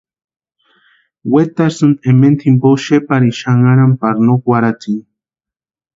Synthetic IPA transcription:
wet̪aɾsunement̪ʰimpoʃepaɾiʃaŋaɾampaɾnokwaɾat͡siŋ

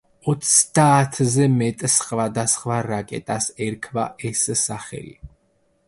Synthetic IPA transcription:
ɔt̪sʰd̪̥aːt̪ʰzɛmɛt̪ʼsχvad̪asχvaɾakʼɛ̰t̪ʼasɛɾkʰvaʔɛssaχɛ̰lḭ

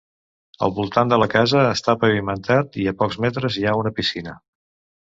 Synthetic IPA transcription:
ə̰lˠβulˠt̪and̪ələkazəːst̪apəβimənt̪at̪iəpɔkzmɛt̪ɾəziaunəpisinə

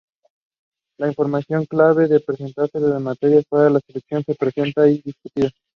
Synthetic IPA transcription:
laiɱfo̞ɾmasjo̞ŋklaβe̞ðepɾese̞nt̪aɾseðezemat̪e̞ɾjasfweɾalaseleksjo̞nse̞pɾe̞se̞nt̪aiðiskut̪iða

